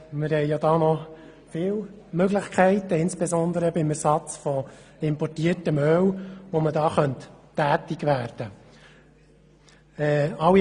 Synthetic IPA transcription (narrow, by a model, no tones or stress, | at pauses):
mɪɾhɛjjɑd̥̪ɑːnɔ | fɪːw | møɡlɪχkʰɛɪt̪əɪnsb̥ɛzɔnd̪əɾəbɪmæɾsɑt͡sfɔɪmpɔrtiːətəmœwʋomədɑːχœntː | æːt̪ɪɡʋæːɾd̥ə | ɛːɑwi